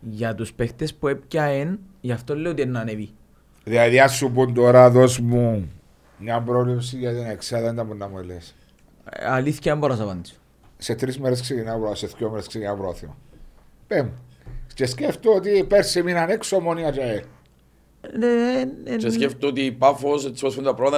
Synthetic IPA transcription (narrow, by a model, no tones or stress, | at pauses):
ʝɐt̪uspext̪espuep̚cɐen | ʝɐft̪olːeiot̪ienːɐnevi | ðiɐðiɐsːupund̪oɾɐðosmu | mɲɐmbɾovleps̬iʝɐt̪ineksɐðɐnd̪ɐmunːɐmueles | ɐliθçɐemboɾɐsɐpɐnd̪is | set̪ɾizmeɾes̬kseɡinapɾoseθkomeɾeskseɡinapɾoθimɐ̰ | pemt͡ʃesceft̪oot̪ipeɾsiminɐneksomoniɐt͡ʃɐe | neeseft̪oot̪ipafossospund̪ɐpɾoðɐ